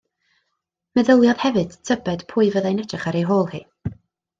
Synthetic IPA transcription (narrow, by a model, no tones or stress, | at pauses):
mɛðəlˠjɔð̥hɛvɨ̞d̥tʰəbɛd̥pʰʊːɨvəðajnɛtrɛχaɾejɦoːlˠhḭː